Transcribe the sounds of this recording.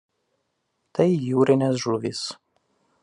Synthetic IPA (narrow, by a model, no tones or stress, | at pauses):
t̪ɐɪjuːɾʲɪnʲɛs̬ʒuːʋʲis